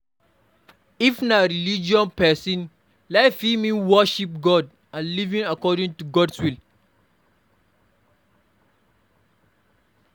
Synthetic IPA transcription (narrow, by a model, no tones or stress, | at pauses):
ifnaɾilid͡ʒiɔ̃npɛsĩn | laɪfimĩnwɔʃip̚ɡɔd | ãnlivĩŋakɔdĩŋtuɡɔdswil